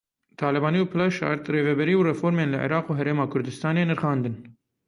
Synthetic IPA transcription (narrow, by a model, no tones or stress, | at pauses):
t̪ʰɑːlɛbɑːniːupʰɨlɑʃɑ̰ɾt̪reːvɛbɛɾiːurɛfoːɾmeːnlɨʕḭɾɑːquːɦɛɾeːmɑːkʰʊɾd̪ɨst̪ɑːneːnɨɾxɑːnd̪ɨn